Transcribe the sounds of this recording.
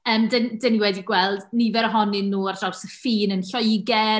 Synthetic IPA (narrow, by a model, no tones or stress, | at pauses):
əːmdəndəniwɛdiɡwɛlˠdnivɛɾəɦɔnɪnːuːard̥ɔwsəfiːnənɬɔjɡɛ